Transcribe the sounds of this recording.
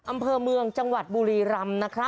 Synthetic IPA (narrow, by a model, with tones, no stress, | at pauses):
ʔa˧mpʰɤː˧mɯ˧əŋt͡ɕa˧ŋwa˨˩t̪̚buː˧ɾiː˧ɾa˧mna˦˥kʰɾa˦˥